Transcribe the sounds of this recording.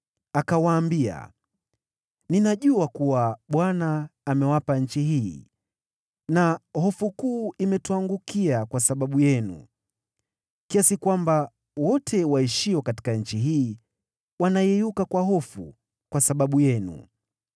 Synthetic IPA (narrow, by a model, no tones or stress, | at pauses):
akawaːmbia̰ | ninaʄuakuwaɓwanaːmɛwapaɲ̩t͡ʃiɦiː | nahɔfukuːimɛtuaŋɡukiakwasaɓaɓujɛnṵ | kiasikwamba | wɔtʰɛwaiʃiwɔkati̥kaɲ̩t͡ʃiɦiː | wanajɛjukakwaɦɔfṵ | kwasaɓaɓujɛnṵ